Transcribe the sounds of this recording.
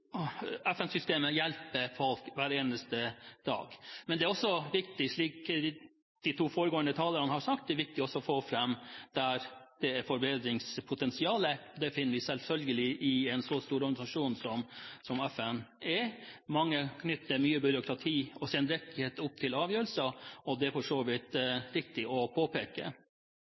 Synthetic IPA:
ɛfɛnsʏst̪eːməjɛlpəfɔlkʋæɾeːnəst̪əd̪̥ɑ̰ːɡmɛnd̪ɛæɾɔsːɔʋɪkt̪ɪʂɭiːk | d̪̥ɪt̪ʰuːfoːɾəɡoːənd̪ət̪ʰɑːləɾənəhɑɾʂɑk̚t̪̚d̪ɛæɾʋɪk̚t̪ɪɔsːɔɔfoːfɾɛmːd̪̥æɾd̪̥ɛæɾfɔɾbeːd̪ɾɪŋspʰʊt̪ʰɛnsɪɑːləd̪ɛfɪnːəɾʋɪsɛlfœlɡəlɪʔɪɛnsɔst̪uːɾɔɾɡɑnɪsɑʂuːnsɔmsɔmɛfɛnɛmɑŋːəkʰnʏt̪ʰːəɾmyːəbʏɾʊkʰɾɑt̪ʰiːɔsɛnd̪ɾɛk̪ːɪheːt̪ʊp̚ːt̪ʰɪlɑːʋjøːɾəl̩səɔd̪ɛæɾfɔʂoːʋɪt̪ɾɪkt̪ɪɔpʰoːpeːkə̰

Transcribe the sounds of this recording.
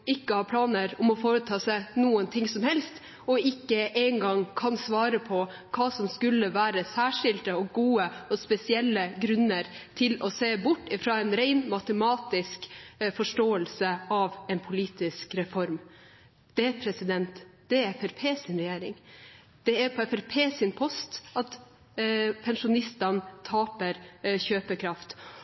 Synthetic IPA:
ɪkːəhɑːɾpʰlɑːnəɾɔmɔfoːɾət̪ʰɑːsæɪnuːənt̪ʰɪŋsɔmhɛlst̪ | ɔɪkːəʔeɪŋɡɑŋkʰɑnsʋɑːɾəpʰɔ | kʰɑːsɔmskʉlːəʋæːɾəsæːʂɪlt̪əɔɡuːəɔspɛsɪɛlːəɡɾʉnːəɾt̪ʰɪlɔseːbʊʈːɪfɾɑːɛnɾæɪnmɑt̪əmɑːt̪ɪskfɔʂʈoːəlsəɑʋɛnpʰʊliːt̪ɪskɾɛfɔɾm | d̪̥ɛpʰɾɛsɪd̪ɛnt̪d̪̥ɛɛfɛɾpʰeːsɪnɾɛjeːɾɪ̰ŋ | d̪̥ɛæɾpʰɔɛfɛɾpʰeːsɪnpʰɔst̪ɑt̪ | pʰɛnʂʊnɪst̪ɑnt̪ʰɑːpəɾçøːpəkʰɾɑft̪

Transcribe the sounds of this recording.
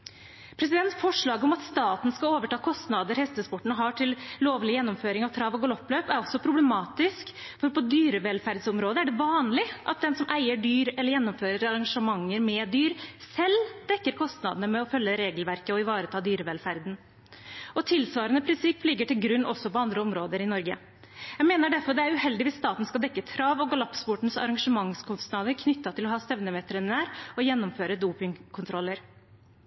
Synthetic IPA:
pʰɾɛsɪd̪ɛnt̪fɔʂɭɑːɡɔmɑt̪st̪ɑːt̪n̩skɑloːʋəʈʰɑːkʰɔst̪nɑd̪əɾhɛst̪əspɔʈːɳ̩əɦɑʈʰɪlloːʋlɪjɛnːɔmføːɾɪŋɑʋt̪ʰɾɑʋɔɡɔlɔpːløːpæɾɔsːɔpʰɾʊblɛmɑːt̪ɪsk | fɔɾpʰɔd̪yːɾəʋɛlfæɾd̪sɔmɾoːd̪əæɖɛʋɑːnlɪʔɑt̪̚d̪ɛnsɔmʔæɪəɖyːɾɛlːəɾjɛnːɔmføːɾəɾɑɾɑŋʂəmɑŋːəɾmɛːd̪yːɾsɛld̪̥ɛkːəɾkʰɔst̪nɑd̪ənəmɛɔfœlːəɾeːɡəlʋæɾkəɔɪʋɑːɾət̪ʰɑːd̪yːɾəʋɛlfæɾd̪n̩ | ʔɔt̪ʰɪlsʋɑːɾənəpʰɾɪnsɪpːlɪɡːəʈɪlɡɾʉnːʔɔsːɔpɔɑnd̪ɾəɔmɾoːd̪əɾɪnɔɾɡə | jæmeːnəɖæɾfɔɾd̪ɛæɾʉhɛld̪ɪʋɪsːt̪ɑːt̪n̩skɑld̪ɛkːət̪ʰɾɑːʋɔɡɑlɑpspʊʈn̩sɑ̰ɾɑŋʂəmɑŋskʰʊst̪nɑd̪əɾkʰnʏt̪ːɑt̪ʰɪlɔɦɑːst̪ɛʋnəmɛt̪ʰɾənnæːɾɔjɛnːɔmføːɾəd̪uːpɪŋkʰʊnt̪ʰɾɔlːəɾ

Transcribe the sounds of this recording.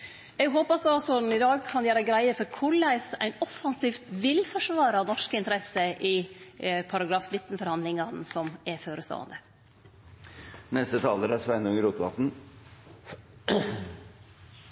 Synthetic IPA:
ɛɡɦoːpɑsɔɑlsɔd̪n̩ɪd̪ɑːɡkʰɑnjæːɾəɡɾæɪəfɔɾkʰʊɭæɪsæɪnɔfɑnsiːft̪ʋɪlfɔʂʋɑːɾɑnɔʂkəɪnt̪əɾɛsəʔɪ | pʰɑɾɑɡɾɑːfnɪt̪ːnfɔɾhɑnd̪lɪŋɑnsɔmɛføːɾəst̪o̰ːɑ̰nd̪ə | nɛst̪ət̪ʰɑ̰ːləɾæsʋɛnʊŋəɾuːt̪ʋɑ̰t̪n̩

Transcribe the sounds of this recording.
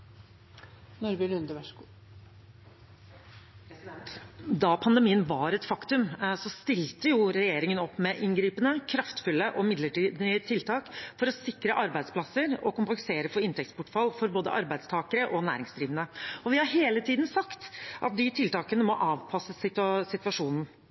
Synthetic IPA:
nɔɾbɪlʉnd̪əʋæʂ | d̪ɑpʰɑnd̪ɛmiːənʋɑɾɛt̪fɑkt̪ʉmsɔst̪ɪlt̪əjʊɾɛjeːɾɪŋənɔpːmɛʔɪnɡɾiːpənəkʰɾɑft̪fʉlːəʔɔmɪd̪ləʈiːd̪t̪ʰɪlt̪ʰɑːkfɔɾɔsɪkɾəʔɑɾbæɪd̪splɑsəɾɔkʊmp̪ɛŋseːɾəfɔɪnt̪ʰɛkt̪spʊʈfɑlfɔɾboːd̪ə̰ʔɑ̰ɾbæɪd̪st̪ʰɑːkəɾəʔɔnæ̰ːɾɪŋsd̪ɾiːʋənəɔʋɪhɑɾɦeːlət̪ʰiːd̪n̩sɑkt̪ʔɑ̰t̪̚d̪ɪt̪ʰɪlt̪ɑːkənəmɔʔɑːʋpʰɑsəsɪt̪sɪt̪ʋɑʂuːnn̩

